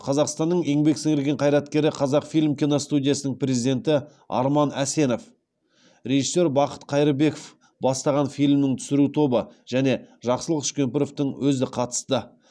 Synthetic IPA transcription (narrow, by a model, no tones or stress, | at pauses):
qʰɑzɑqst̪ɑnːəɴe̞ŋbe̞ksɪŋɪɾɡʲe̞ɴqʰɑjɾɑt̪kʲe̞ɾɪqʰɑzɑqfijlʲmkʲinost̪ud̪ʲijasənəɴprʲe̞zid̪ʲe̞nt̪ɪ | ɑ̰ɾmɑnæse̞no̞f | ɾʲe̞ʒisːe̞ɾbɑqə̥t̪qʰɑjɾəbe̞kof | bɑst̪ɑʁɑnfijlʲmnɪŋt̪ʰʏ̥sɪɾut̪ʰo̞bəʒ̥æne̞ʒɑqsəlˠəqʏ̥ʃkʲe̞mpeɾo̞ft̪əɴwʔɵzɪqʰɑt̪ə̥st̪ə